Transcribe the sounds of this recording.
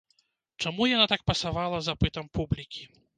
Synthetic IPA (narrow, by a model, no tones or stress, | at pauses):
t͡ʂamujanat̪ak̚pɐsavalˠɐzapɨt̪ɐmpublʲikʲi̥